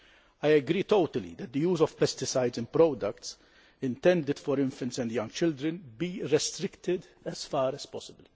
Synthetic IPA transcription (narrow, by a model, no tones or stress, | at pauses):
ajɛɡɾiːt̪oʊt̪əlḭd̪ɛt̪̚d̪əjuːzɔv̥pɛst̪ɪsajdzɪ̃npɾɔːd̪ɐkt̪s | ɪ̃nt̪ɛ̃nd̪ɪd̪̥fɔɾɪ̃ɱfɛ̃nt̪sɛ̃nd̪jɐ̃ŋɡt͡ʃɪld̪ɾɛ̃nbiːɾɛst̪ɾɪkt̪ɪd̪ɛzfɑːɾɛspɔsɪbəl